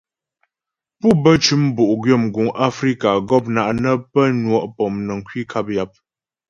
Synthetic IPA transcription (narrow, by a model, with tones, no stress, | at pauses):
pu˦bə˦t͡ʃʉ˦mbu˨ʔɡɥə˦˨mɡu˨ŋʔa˦fɾi˦ka˨ɡɔ˦˨p̚na˨ʔnə˦pə˦nwɔ˨ʔpɔ˨mnə˨ŋ̩˨kwi˦kʰa˦p̚ja˦p̚